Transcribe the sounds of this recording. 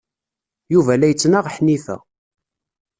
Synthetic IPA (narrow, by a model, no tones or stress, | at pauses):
juvælæjət͡sːnaʁħnifæ̰